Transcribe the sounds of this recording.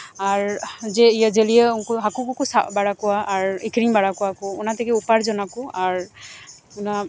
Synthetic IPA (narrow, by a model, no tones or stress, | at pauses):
aɹzɛijazelijɛkɔɦakukukusabaɹakʊwaːɹekʰɹiŋbaɹakʊwakʊːnatɛkɛupaɹzɔnakʊaɹ | ʊna